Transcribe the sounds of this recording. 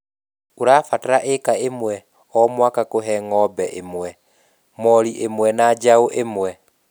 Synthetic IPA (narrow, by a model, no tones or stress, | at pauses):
oɾaːfataɾaʔekaemwɛ | ɔmwakakoɦɛŋɔbɛʔemwɛ | mɔɾiʔemwɛnad͡ʒaoʔemwɛ